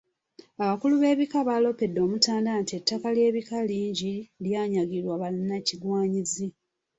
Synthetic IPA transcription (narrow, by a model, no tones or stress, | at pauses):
aβakuluβe̞ːβikaβalo̞pe̞dːo̞ːmutaːndantie̞tːakalje̞ːβikaliːɲɟiljaːɲaɡilwaβalinaciɡwaːɲizi